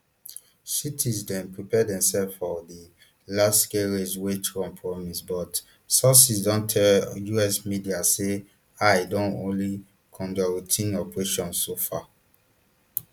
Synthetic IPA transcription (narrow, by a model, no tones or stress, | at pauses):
sitʰizdɛ̃npɹipɛdɛ̃msɛlffɔdi | lasskeɹeswetkɔ̃mpʰɹɔmisbɔt | sɔsisdɔ̃ntʰɛjuɛsmidiase | aɪdõntõ̰nli | kʰɔ̃ndɔɹitʰĩnɔpɹeʃɔ̃nssofa